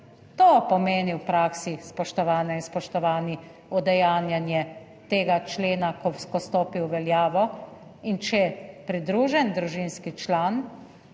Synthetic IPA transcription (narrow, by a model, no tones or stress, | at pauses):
t̪opɔmeːniwpɾaːksispɔʃt̪ɔʋaːnɛinspɔʃt̪ɔʋaːni | ɔd̪ɛjaːnjanjɛ | t̪eːɡat͡ʃleːnakɔwskɔst̪oːpiwʋɛljaːʋɔ | int͡ʃɛpɾid̪ɾuʒɛnd̪ɾuʒinskit͡ʃlaːn